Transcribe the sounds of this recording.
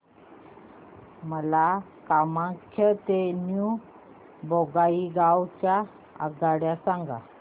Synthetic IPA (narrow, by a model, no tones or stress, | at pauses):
məla | kamãkʰːət̪enju | boɡaiɡawt͡ɕja | a̰ɡaɽjasaŋɡa̰